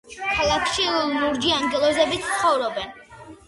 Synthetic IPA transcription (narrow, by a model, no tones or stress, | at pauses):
kʰalˠakʰʃinuɾd͡ʒiaŋɡɛlˠɔzɛbit̪ʰsχɔvɾɔbɛn